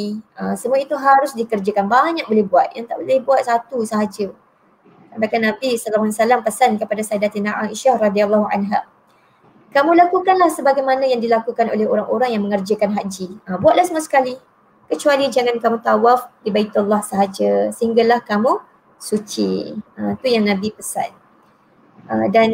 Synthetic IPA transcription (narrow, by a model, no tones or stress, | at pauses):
əsəmuait̪uɦaɾʊsdikərd͡ʒəkanbaɲak̚bolɛhbuat̪̚jaŋt̪aʔbolɛhbuat̪̚sat̪usəɦad͡ʒə | abakanãpisəlaansalampəsankəpadasaidat̪inaʔaʔiʃahrɑd̪ialːɔhuʔa̰nɦa | kamũlakukanlahsəbaɡajmanãjaŋdilakukano̰lɛhoɾaŋʔoɾaŋjaŋmə̃ŋərd͡ʒəkanɦaʔd͡ʒiəbuat̪lahsəmasə̥kali | kət͡ʃualid͡ʒaŋãnkamũt̪awafdibait̪ulːahsəɦad͡ʒəsəɦiŋɡalahkamũ | sut͡ʃḭə̃t̪ujaŋnãbipəsa̰n | ʔədan